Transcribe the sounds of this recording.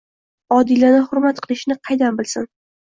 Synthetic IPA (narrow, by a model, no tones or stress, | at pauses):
ɒd̪ilanɪhʊɾmat̪qʰɨlˠɪʃnɪqʰɑjd̪anbɪlˠsɪn